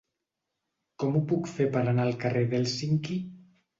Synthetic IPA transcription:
kɔmupukfepəɾanaːlˠkareðelˠsiŋki

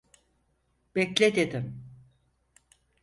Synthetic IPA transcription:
b̥ɛclʲed̪ed̪im

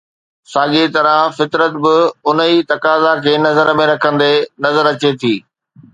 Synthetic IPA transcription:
saːɠet̪ɐɾə̃fɪt̪ɾət̪bɪʊn̤əit̪ɐkaːzakʰeːnɐzəɾəmẽɾɐkʰə̃nd̪enɐzəɾɐt͡ɕet̪ʰiː

